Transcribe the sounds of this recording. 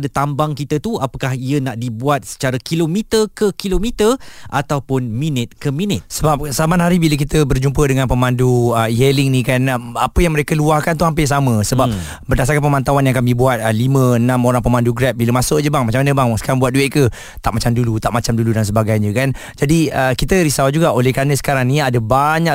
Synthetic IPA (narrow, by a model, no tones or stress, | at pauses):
dət̪ambaŋkit̪ət̪uapəkaɦiənaʔdibuat̪̚sə̥t͡ʃaɾakilomit̪ərkəkilomit̪ərʔa̰t̪awpʊnminɪt̪̚kəmĩnɪt̪səbap̚samanɦaɾibilək̬it̪əbərd͡ʒumpədəŋanpəmanduəjelɪŋnikanapəjaŋməɾekəluahkant̪uhampɪs̬amə̃səbap̚ | bərdas̬aɾrkanmpəmãnt̪awanjaŋkamibuat̪̚əlimə̃ənãmoɾaŋpəmanduɡɾɛp̚biləmasʊʔd͡ʒəbaŋmat͡ʃamanəbaŋsə̥kaɾaŋbuat̪̚duɛʔ̚kə | t̪aʔmat͡ʃamdulut̪aʔmat͡ʃamduludans̬əbaɡajɲə̃kan | d͡ʒadiəkit̪əɾisawad͡ʒuɡaʔolɛhkanəsə̥kaɾaŋniadəbaɲa